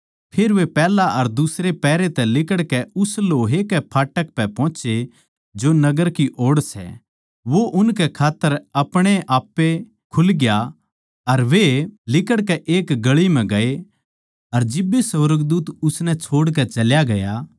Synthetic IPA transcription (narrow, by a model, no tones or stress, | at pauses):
pʰeːɾʋepɛːlaʔɐɾd̪ʊsɾepɛːɾet̪ɛlɪkəɽkɛʊsloːɦekɛpʰaːʈəkpɛpɔ̃ːt͡ʃe | d͡ʒonɐɡəɾkiʔoːɽsɛ̰ | ʋoʔʊnkɛkʰaːt̪ːəɾɐpɽ̃eʔaːpːe | kʰʊlɡja | ɐɾʋelɪkəɽkɛʔeːkɡɐɭim̤ɛ̃ɡɐe | ɐɾd͡ʒɪbːesɐʋɾəɡd̪uːt̪ʊsnɛt͡ʃʰoːɽkɛt͡ʃɐljaɡɐja